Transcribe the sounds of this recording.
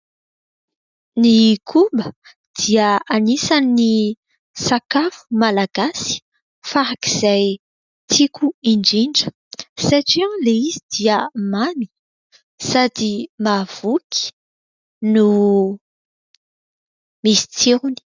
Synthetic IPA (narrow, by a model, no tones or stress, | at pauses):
nikʰumbə | d̪̥iəanisanini | sakafu̥malaɡ̥asi̥ | faɾakiz̥aj | t̪ʰikuiɳɖ͡ʐiɳɖ͡ʐə̥ | saʈ͡ʂiãŋleizid̪̥iəmani̥ | sad̪imav̥ukʰi̥ | nu | misi̥t͡siɾuni̥